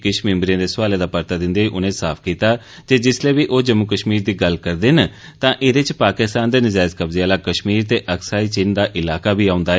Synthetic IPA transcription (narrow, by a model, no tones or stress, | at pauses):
kɪʃmɪ̃mbɾijãːd̪eːsʋaːleːd̪aːpəɾt̪aːd̪ɪ̃nd̪eːiːʔʊnẽːsaːpʰkiːt̪aː | d͡ʒeːd͡ʒɪsleːʋiːʔoːd͡ʒəmːukəʃmiːɾd̪iːɡəlkəɾd̪eːn | t̪ãːʔɪd̪et͡ʃpaːkɪst̪ãːnd̪eːnəd͡ʒaːt̪kəbzeaːlaːkəʃmiːɾt̪eːʔəksaːiːt͡ʃɪnd̪aːʔɪlaːkaːbʱiːaːʊnd̪aːɛː